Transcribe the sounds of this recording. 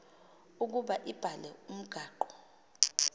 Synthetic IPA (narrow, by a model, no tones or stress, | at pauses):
uk̬uɓaʔib̥ʱalɛum̩ɡ̥ʱaːǃɔ̥